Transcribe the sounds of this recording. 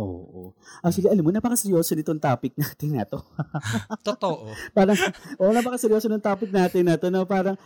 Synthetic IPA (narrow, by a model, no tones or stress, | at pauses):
ʔo̰ːʔo̰ʔɐk̚ʃwɐliʔɐlɐmːonɐpɐkɐsɛɾjo̞ːsonɪt̪oŋt̪aːpɪk̚naːt̪ɪnɐ̰t̪o | t̪oʔpaːɾɐŋʔoʔnɐpɐkɐsɛɾjo̞ːsonoŋt̪aːpɪk̚naːt̪ɪnːɐt̪onopaːɾɐŋ